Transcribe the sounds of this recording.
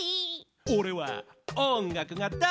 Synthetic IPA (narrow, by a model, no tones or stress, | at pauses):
i | oɾewa̰ɔŋɡakɯŋat̪a